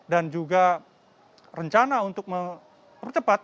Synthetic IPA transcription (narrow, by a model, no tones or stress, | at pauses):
dand͡ʒuɡa | rəɲt͡ʃanaunt̪ʊk̚mə | pərt͡ʃəpat̪̚